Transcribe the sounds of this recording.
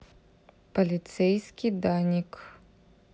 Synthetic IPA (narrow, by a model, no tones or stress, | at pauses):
pɐlʲit̪sɛjsʲkʲijd̪anʲik